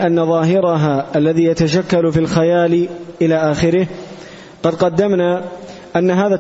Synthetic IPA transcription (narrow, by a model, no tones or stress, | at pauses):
ʔanːaðˤɑːɦɪɾaɦaːʔalːaðiːjat̪aʃakːalfilxajaːlɪʔɪlaːʔaːxɪɾɪh | qɑd̪qɑd̪ːamnaː | ʔanːaɦaːða